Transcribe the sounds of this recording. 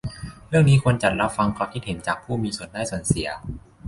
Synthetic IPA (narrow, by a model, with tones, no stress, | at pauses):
ɾɯ˥˩əŋniː˦˥kʰo˧ənt͡ɕa˨˩t̪̚ɾa˦˥p̚fa˧ŋkʰɔː˧kʰi˦˥t̪̚he˩˦nt͡ɕaː˨˩k̚pʰuː˥˩miː˧su˨˩əndaː˥˩jsu˨˩ənsi˨˩˦ɐ